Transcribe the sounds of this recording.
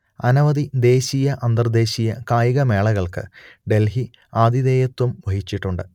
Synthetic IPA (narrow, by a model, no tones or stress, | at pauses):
ɐnɐʋɐd̪id̪e̞ːɕijɐʔɐnd̪ɐrd̪e̞ːɕijɐkaːjiɣɐme̞ːɭɐɣɐɭkɨ̰ɖe̞lɦi | aːd̪iðe̞ːjɐt̪ːumʋɐɦit͡ɕːiʈːuɳɖɨ